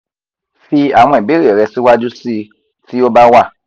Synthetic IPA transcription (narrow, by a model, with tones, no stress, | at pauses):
fi˧a˨w̃ɔ̃˧i˨be˨˦ɾe˨ɾɛ˧si˦wa˦d͡ʒu˦si˧ | ti˦o˦ba˦wa˦˨